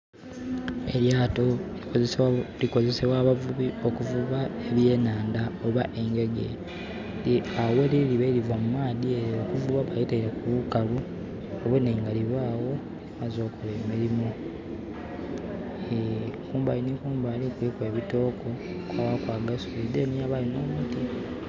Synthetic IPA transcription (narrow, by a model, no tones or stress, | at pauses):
e̞̰ljaːto | likoze̞seβwaβuβiokuvuβaeβje̞ːnaːndaoβaʔe̞ŋɡe̞ɡḛ | liaweliliβelivwamumaːðieokuvuβaβajiteiɾakuβukalu | oβweneːŋɡaliβaːwo̞ | βazo̞ːkoleːmiɾimo | ekuːmbainikuːmbalikwikwe̞ːβito̞ːko̞ | kwawakwaːɡasulid̪enijaβalino̞ːmuːti